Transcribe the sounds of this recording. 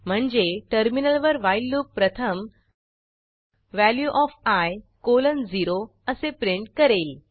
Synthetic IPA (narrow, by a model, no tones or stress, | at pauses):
m̤əɳd͡zeʈəɾminəlʋəɾʋajlːuːk̚pɾət̪ʰəm | ʋæljuʔɔfajkolənd͡ziɾo | əsepɾiɳʈ̚kəɾel